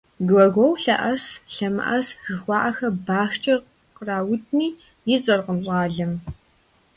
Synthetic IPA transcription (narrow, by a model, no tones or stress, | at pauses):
ɡlɐɣʷɔwɬɐ̰ʔɐsɬɐmɨ̰ʔɐsʒ̥ɨxʷɑːʔɐxɐbaːxt͡ʃʼɐ | qəraːwʊtʰniː | jɪzʼɐrqəmɕʼaːɮɐm